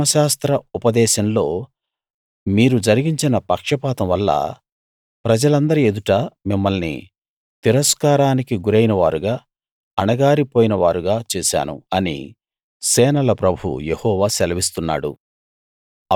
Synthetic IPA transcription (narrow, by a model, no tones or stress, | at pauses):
ɐʃaːst̪ɾɐupɐd̪ɛːʃɐmlo̞ː | miːɾud͡ʒɐɾiɡiɲt͡ʃinɐpɐkʂɐpaːt̪ɐmʋɐlːɐ̰ | pɾɐd͡ʒɐlɐnd̪ɐɾie̞d̪uʈamimːɐlnḭ | t̪iɾɐskaːɾaːnikiɡuɾɐjinɐʋaːɾuɡaː | ɐnɐɡaːɾipoːjinɐʋaːɾuɡaːt͡ʃɛːʃa̰ːnṵɐnḭ | sɛːnɐlɐpɾɐbʱṵjehɔːʋaːsɛlɐʋist̪unːa̰ːɽṵ